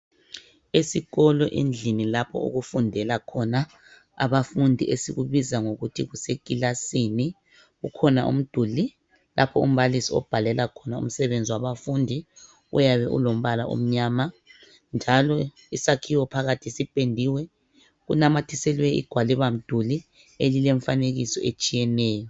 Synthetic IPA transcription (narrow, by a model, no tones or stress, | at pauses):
esiɣɔlɔʔind͡ɮʱinilapʰɔ̰ṵɣufundʱɛlakʰɔna | a̰βafundʱiʔesiɣuβizaŋoɣutʰiɣusekʼilasini | ɣukʰɔna̰ʔṵm̩d̥ʱuli | lʔa̰pʰɔum̩βalisiɔ̰b̥ʱalɛlakʰɔnaṵm̩sɛβend͡zʱiwaβafundʱi | ṵjaβɛʔṵlom̩βala̰ṵm̩ɲaːma | nd͡ʒʱalɔ | isakʰiwɔpʰaɣatʰisipʼendʱiwɛ | ɣunamatʰisɛlwɛḭɡ̥ʱwalɛβam̩d̥ʱuli | elileɱfaneɣisɔʔet͡ʃʼijɛnɛːjɔ